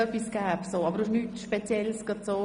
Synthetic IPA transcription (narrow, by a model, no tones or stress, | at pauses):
œpːisɡ̥æːpsoːɑbəɾdoʃnytʃpet͡sjɛlsɡ̥ɑd̪soː